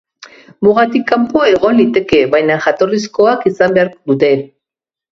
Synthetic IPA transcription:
muɣat̪ikːampoe̞ɣo̞nlit̪e̞ke̞βajnaʝat̪o̞risko̞akisambeaɾd̪ut̪e̞

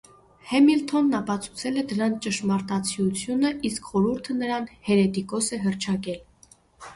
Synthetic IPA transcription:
hɛmilt̪ʰɔnːɑpɑt͡sʰu̥t͡sʰɛlɛd̪əɾɑnt͡ʃəʃmɑɾt̪ɑt͡sʰijut͡sʰjunəʔiskχɔɾuɾt̪ʰənəɾɑnhɛɾɛt̪ikɔsɛɦərt͡ʃʰɑkɛl

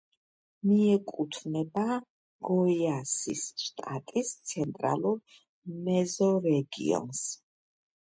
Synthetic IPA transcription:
miɛkʼut̪ʰvnɛba | ɡ̥ɔiasḭsʃt̪ʼa̰t̪ʼist̪sʰɛnt̪ʼɾa̰lˠuɾ | mɛzɔɾɛɡḭɔ̰ns

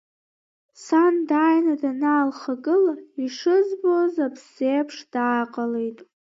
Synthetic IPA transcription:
sandajnadanaːlχaɡɨlaiʂɨzbozapʰseːpʰʂd̥aːqʼalejtʼ

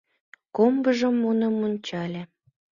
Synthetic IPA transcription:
kombəʒəmːunə̆monʲt͡ɕɑlʲe

